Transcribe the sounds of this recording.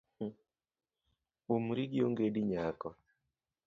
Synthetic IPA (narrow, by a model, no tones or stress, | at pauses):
umɾiɡijoŋɡediɲakɔ